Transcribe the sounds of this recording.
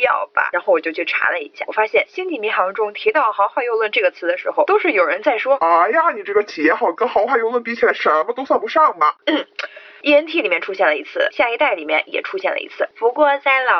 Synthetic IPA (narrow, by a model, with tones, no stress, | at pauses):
jɑ̰˥˩ʊb̥ɐ̰˩ɻa˧˥nxwɔ˨˩t͡ɕjo˥˧ʊt͡ɕʰy˥˩ʈ͡ʂʰa̰˧˥lə˧ḭ˧˥ɕja˥˩wɔ˨˩fa˥ɕjɛ˥˩nɕi˥nt͡ɕ̪i˨˩mi˧˥xɑ˧˥ŋʈ͡ʂʊ˥ŋt̪ʰi˧˥t̪ɑ˥˩ʊxɑ˧˥ʊxwa˥˧ɪjo˥˧ʊlwə˥˧nʈ͡ʂɤ˥˩ɡə˩t͡sʰɹ̩˧˥d̪ə˧ʂɻ̩˧˥xo˧ʊt̪o˥ʊʂɻ̩˥˩jo˨˩ʊɻə˧˥nt͡sa˥˩ɪʂwɔ˥a˧˥ja˧˩ni˨˩ʈ͡ʂɤ˥˩ɡə˩t͡ɕʰi˨˩jɛ˧˥˧xɑ˨˩ʊkɤ˥xɑ˧˥xwa˥˧jo˥˧ʊlwə˥˩npi˥t͡ɕʰʂə˧˥mə˧t̪o˥ʊswɑ˥˩npu˧˥ʂɑ˥˩ŋmɐ˩n̩˥˩ | i˥˩ə˧˥nt̪ʰi˥˩li˨˩mjɛ˥˩nʈ͡ʂʰu˥ɕjɛ˥˩nlə˩i˧˥t͡sʰɹ̩˥˩ɕja˥˩i˧˥t̪a˥˩ɪli˨˩mjɛ˥˧njɛ̰˨˩ʈ͡ʂʰu˥ɕjɛ˥˩nlə̰˩ḭ˧˥t͡sʰɹ̩˥˩pu˧˥kwɔ˥˧t͡sa˥˩ɪlɑ˨˩